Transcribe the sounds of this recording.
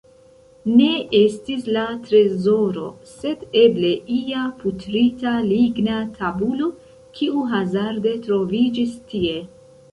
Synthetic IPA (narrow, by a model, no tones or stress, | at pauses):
ne̞e̞stislatɾe̞zo̞ɾo̞̰se̞de̞ble̞ʔiaputɾitaliɡnatʰabulo̞ | kʰiuɦazaɾde̞tɾo̞vid͡ʒistie̞